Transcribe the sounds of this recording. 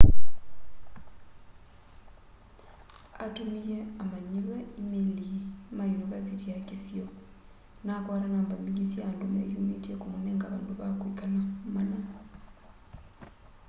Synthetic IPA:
a̰tumikɛamaɲiβaimilimajunivɛsitijakisiɔ | nakwaɾanambambiɡisiandumajunitiɛkumunɛŋɡaβa̰nduβakwukanamana

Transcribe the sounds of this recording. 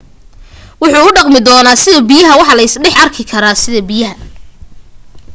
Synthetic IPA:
wʊħuːʊɖɑqmɪd̪ɔːnaːsɪðɐbijɐɦɐwɑħɑlɐɪsɖɛħɐrkʰɪkʰɐɾaːsɪðɐbijɐɦɐ

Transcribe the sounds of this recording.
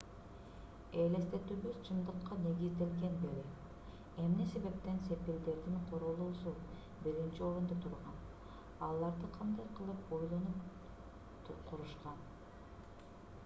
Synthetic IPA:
ele̞st̪e̞t̪yβyzt͡ʃʰɯnd̪ɯqːɑne̞ɡizd̪e̞lɡe̞nd̪eɾe | emne̞se̞βe̞p̚t̪e̞nse̞pild̪e̞ɾd̪iŋqʰoɾolˠuːsu | biɾint͡ʃio̞ɾund̪ot̪ʰuɾʁɑn | ɑlˠːɑɾd̪ɯqʰɑnd̪ɑjqʰɯlˠɯpo̞jlˠo̞nup | qʰuɾuʃqɑn

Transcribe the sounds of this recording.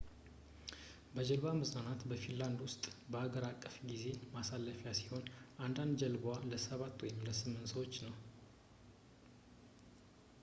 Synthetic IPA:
bəd͡ʒəlbamɨznanat̪bəfinland̪wʊst̪ʼbəhaɡəɾakʼːəfɡize̞masalːəfjasi̥ho̞nʔand̪and̪d͡ʒəlbwaləsəβat̪ːwɔjɪmləsɨmːɨnsəwo̞t͡ʃːnəw

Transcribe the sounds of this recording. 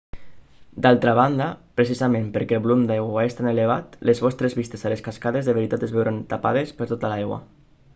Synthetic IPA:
d̪alˠt̪ɾaβ̞and̪apɾesizamẽmpəɾkɛːlˠβulumd̪ajɣwaest̪aneleβ̞at̪lezβɔst̪ɾezβist̪esaleskaskaðezðəβeɾit̪at̪ezβɛwɾant̪apaðespəɾt̪ot̪alajɣwa̰

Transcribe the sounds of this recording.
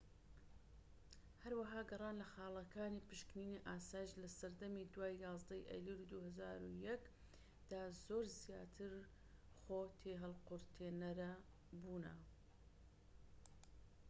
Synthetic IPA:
hɐɾwɐɦaːɡɨrˤɑːnlɐxɑːlˠɐkʰaːniːpɨʃkniːniʔaːsaːjiʃlɐsɐɾd̪ɐmid̪waːjjɑːzd̪ɐjʔɐ̰jliɾud̪uːhɐzaːɾujɛk | d̪̥aːzoːɾzijaːt̪ʰɨɾ | χoːt̪ʰeɦɐlqʊɾt̪ʰeːnɐɾɐ | buːnɐ̰

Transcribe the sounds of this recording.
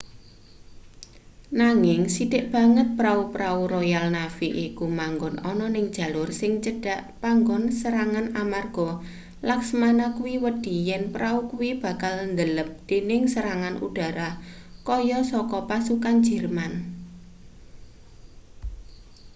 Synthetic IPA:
naŋɪŋsid̥ɪʔb̥a̤ŋət̪̚pɾaupɾauɾojalnafiʔikumaŋɡɔnʔɔnɔnɪŋd̥ʒ̥ä̤lʊrsɪŋt͡ʃəɖ̥a̤ʔpaŋɡɔnsəɾaŋanamarɡ̥ɔ | laksəmanakuwiwəd̥i̤jɛnpɾaukuwib̥ä̤kalnd̪ələp̚d̪̥e̤nɪŋsəɾaŋanṵɖ̥a̤ɾa | kɔjɔsɔkɔpasukan̥d͡ʒ̥ə̤rman

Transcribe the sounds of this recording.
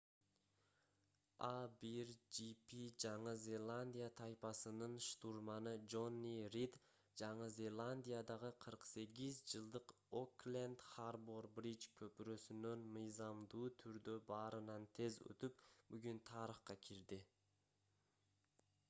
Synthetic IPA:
abiɾd͡ʒipid͡ʒɑɴɯzʲe̞lˠanʲd̪ʲijat̪ʰɑjpɑsɯnɯnʃt̪urmɑnɯd͡ʒo̞nʲːirid̪ | d͡ʒɑɴɯzʲe̞lˠanʲd̪ʲijad̪ɑʁɯqʰɯɾqse̞ɡizd͡ʒɯlˠd̪ɯq | oklʲend̪χarburbrit͡ʃkʰɵ̞pyɾø̞synønmɯjzɑmd̪uːt̪ʰyɾd̪øbɑːɾɯnɑnt̪ʰe̞zø̰t̪ypbyɡynt̪ʰɑːɾəχqɑkʰʲiɾd̪i

